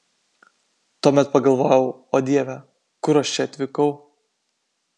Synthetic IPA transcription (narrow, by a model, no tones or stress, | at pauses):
t̪uɔmʲɛt̪̚pɐɡɐlˠʋoːjɛʊoːd̪ʲiɛʋʲɛ | kʊɾɐʃt͡ʃʲɛɐt̪ʲʋʲɪkɐʊ